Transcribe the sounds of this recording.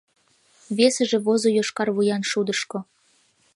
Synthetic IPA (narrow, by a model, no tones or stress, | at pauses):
βesəʒĕβozojoʃkɑrβujɑnʃud̪əʃko